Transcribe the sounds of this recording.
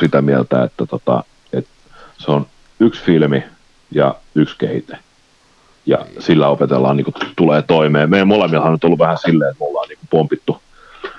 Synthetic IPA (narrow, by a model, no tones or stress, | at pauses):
sit̪æmiælt̪æḛt̪ːæt̪ot̪ɑ̰ | et̪ | seon | yksfilmi | jɑykskehit̪e̥ | jɑ̰silːæopet̪elːɑ̰ːniːkut̪uleːt̪oimeːmeˑijæmolemːilhɑnonyt̪olːuʋʋæhæsilːeːet̪mulːɑːniːŋkupompit̪ːu